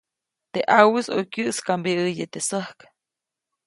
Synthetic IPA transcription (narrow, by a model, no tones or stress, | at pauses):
t̪eʔawisokʲɨʔskambiɨjet̪esəhk